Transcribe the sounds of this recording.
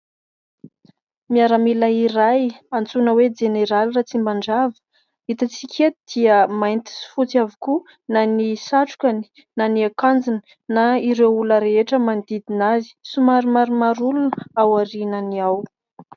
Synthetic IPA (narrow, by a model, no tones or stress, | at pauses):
miaɾamilaiɾajant͡sunəwed͡ʒeneɾalrat͡simbaɳɖ͡ʐavə̥ | it̪at͡sikʲʰet̪d̪̥iəmajnt̪i̥si̥fut͡siaviku | nanisaʈ͡ʂu̥kʲani̥ | naniakand͡zin | naiɾewuləɾeeʈ͡ʂəmand̪id̪inazi̥sumaɾumaɾumaɾulunawaɾinəniaw